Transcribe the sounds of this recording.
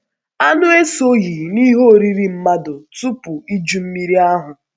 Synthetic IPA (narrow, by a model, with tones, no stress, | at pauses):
a˦nʊ˦e˦so˦ɣi˨ni˦ɦo˦˨ɾi˦ɾi˦m̩˦ma˦dʊ˨tu˦pʊ˨i˦d͡ʒu˦m̩˦mi˦ɾi˦a˦ɦʊ˨